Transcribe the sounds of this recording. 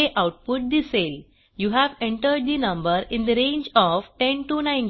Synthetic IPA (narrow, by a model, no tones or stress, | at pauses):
eʔawʈ̚pʊʈ̚d̪isel | juɦæʋẽɳʈəɾɖ̚d̪inʌ̃mbəɾɪ̃nd̪əɾẽɲd͡ʒɔʋʈẽnʈunãj̃n